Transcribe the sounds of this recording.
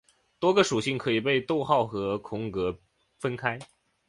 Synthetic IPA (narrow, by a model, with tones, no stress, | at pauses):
t̪wɔ˥ɡə˨ʂu˨˩ɕi˥˩ŋkʰɤ˧˥i˨˩pe˥˧ɪt̪o˥˧ʊxɑ˥˩ʊxɤ˧˥kʰʊ˧˥ŋkɤ˧˥ | fə˥nkʰa˥ɪ